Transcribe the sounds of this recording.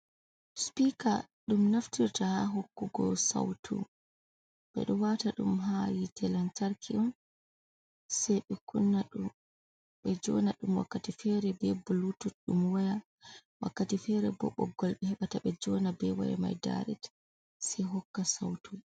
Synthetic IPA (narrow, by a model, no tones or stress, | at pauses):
spikaɗumnaftiɾtahaɦɔkːuɡɔ̰sa̰wtʰṵ | ɓɛ̰ɗɔwataɗṵmɦajitɛlantaɾkʰiʔɔn | sɛjɓɛkunːaɗum | ɓɛd͡ʒɔnaɗumwa̰kːatifɛɾɛbɛbulutuɗumwaja | wʔakːatifɛɾɛbɔɓːɔ̰ɡɔlɓɛhɛɓataɓɛd͡ʒɔnabɛwa̰ja̰ma̰jda̰ɾɛ̰t | sɛjɦɔkːasawtu